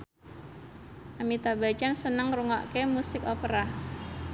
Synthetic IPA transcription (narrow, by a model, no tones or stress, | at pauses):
ʔamit̪abat͡ʃansənəŋruŋɔ̰ʔkemusɪkopəɾa